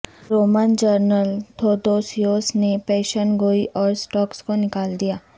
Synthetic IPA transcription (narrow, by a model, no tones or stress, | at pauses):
ɾoːməːnd͡ʒəɾnəlt̪ʰoːd̪oːsjoːsnepɛːʃənɡoːiʔɔːɾsʈɔːkskonɪkaːld̪ijaː